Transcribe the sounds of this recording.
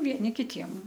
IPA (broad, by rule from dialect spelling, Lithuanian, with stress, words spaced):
ʋʲiɛˈnʲɪ kʲɪˈtʲiɛm